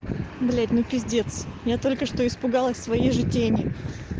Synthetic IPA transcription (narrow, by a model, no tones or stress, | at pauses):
blʲædʲnʊpʲɪzʲdʲe̞t̪sjat̪o̞lʲkəʂt̪o̞ɪspʊɡɑlˠəsʲsvɐiʐɨtʲenʲɪə